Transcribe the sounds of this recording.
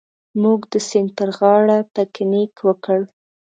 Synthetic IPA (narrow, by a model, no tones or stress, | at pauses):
muɡd̪əsɪn̚pəɾɣɑɽapaknikwəkəɽ